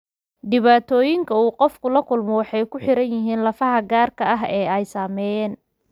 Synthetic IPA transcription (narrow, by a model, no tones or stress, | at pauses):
ɖɪβaːt̪ʰɔːjɪŋkʰɐuːqɔfkʰʊlɐkʰʊlmɔwɑħɑjkʰʊħɪɾɐnjɪɦiːnlɐfɐɦɐɡaːrkʰɐɐɦɛːɛjsaːmɛɛːn